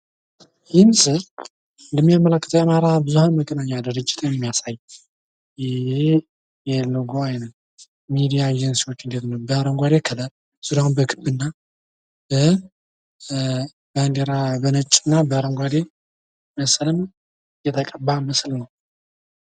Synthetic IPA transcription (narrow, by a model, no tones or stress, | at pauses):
jɪmsɨɾ | nləmːijamːəlakːə̥t̪ʰəwamaɾabɨzuhanməkʼːənaɲːad̪ɨɾɨd͡ʒːɪ̥t̪ʰjɛmːijasajː | jɪe | jɛlɨɡoajnə | mid̪ijad͡ʒɛnsiwo̞t͡ʃːɨnd̪e̞t̪nəwbəaɾəŋɡʷad̪ekʰələɾ | sɨdawunbəkʰɨbɨnːa | bə | band̪eɾabənət͡ʃʼɨnːabəaɾəŋɡʷad̪e | məslən | jɛt̪ʰəkʼəbaməslnəw